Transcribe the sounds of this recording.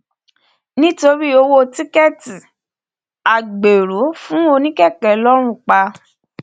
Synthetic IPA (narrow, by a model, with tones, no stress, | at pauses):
nĩ˦to˧ɾi˦o˧wo˦ti˦kɛ˦˨ti˨ | a˨ɡ͡be˨ɾo˨˦fũ˦o˧nĩ˦kɛ˦˨kɛ˨lɔ˦ɾ̃ũ˦˨k͡pa˧